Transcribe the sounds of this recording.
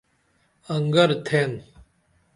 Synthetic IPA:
ɐŋɡɐɾt̪ʰen

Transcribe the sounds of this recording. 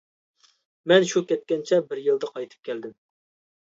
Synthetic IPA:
mɛnʃukʲɛt̪̚kʲɛnt͡ʃʰɛbɪɾjɨlˠd̪ɑqʰɑjt̪ʰɨ̥p̚kʲɛld̪ɪm

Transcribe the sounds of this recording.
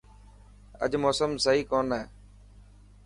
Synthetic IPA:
ə̰ʄmoːsəmsəɦiːkoːnɦɛː

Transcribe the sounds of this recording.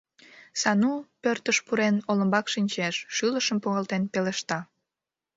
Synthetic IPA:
sɑnupørt̪əʃpuɾenoləmbɑkʃinʲt͡ɕeʃːyləʃəmpuɣɑlt̪enpeleʃt̪ɑ

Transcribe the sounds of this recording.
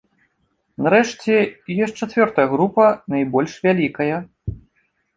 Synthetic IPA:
naɾɛʂt͡sʲɛjɔs̚ʲt͡ʂat̪vʲɔrt̪ɐjɐɣɾupɐnajbɔlʲʂvʲalʲikɐjɐ

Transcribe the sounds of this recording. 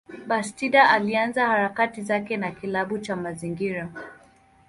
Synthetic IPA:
ɓastiɗaalianzahaɾakatizakɛnakilaɓut͡ʃamaziŋɡiɾa

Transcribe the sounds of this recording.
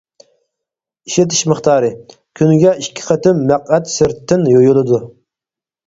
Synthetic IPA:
iʃet̪ʰi̥ʃmɨχt̪ʰɑːɾɨ | kʲʰynɡʲɛʔiʃkʲʰɪ̥qʰət̪ɪmːæqæt̪sɪɾt̪ʰːɪnjojulˠɨd̪u

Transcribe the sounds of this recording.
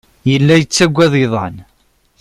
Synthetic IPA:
jəlːæjət͡sːæɡʷːæðˤiðˤɑn

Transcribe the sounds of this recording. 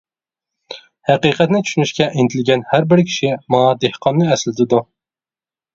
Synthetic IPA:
hæqiqɛt̪nɪt͡ʃʰyʃynyʃkʲɛʔint̪ʰɪlɡʲɛnhæɾbɪɾkʲʰi̥ʃimɑd̪ehqʰɑnːɨɛslɪd̪ɪd̪u

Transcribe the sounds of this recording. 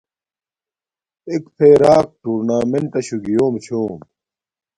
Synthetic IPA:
ekpʰeːɾaːk̚ʈuːɾnaːmeɳʈ̪ɐɕuɡijoːmt͡ɕʰoːm

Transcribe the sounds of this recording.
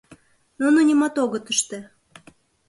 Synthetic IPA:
nonunʲimɑt̪oɣət̪əʃt̪ĕ

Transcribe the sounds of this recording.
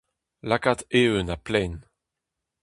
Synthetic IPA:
lakat̪eønaplɛn

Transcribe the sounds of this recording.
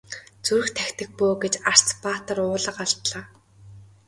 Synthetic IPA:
t͡suɾɵ̆xt̪ʰæxʲt̪ɘ̆k̚poːɡet͡ɕar̥t͡spaːt̪ə̆rʊːɮə̆qaɮt̪ɮaː

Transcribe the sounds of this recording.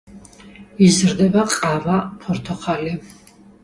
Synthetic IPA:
izɾd̪ɛbaqʼavapʰɔɾt̪ʰɔχali

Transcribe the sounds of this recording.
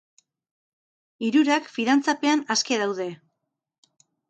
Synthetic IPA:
iɾuɾakfinant͡sape̞anaske̞ðawðe̞

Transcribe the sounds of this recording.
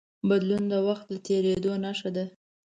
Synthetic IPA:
bad̪lund̪əwaxt̪̚d̪ət̪ʰeɾed̪onaʃad̪a

